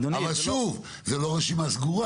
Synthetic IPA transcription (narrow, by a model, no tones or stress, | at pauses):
d̪avalʃuv | zeloʁeʃimasɡuʁa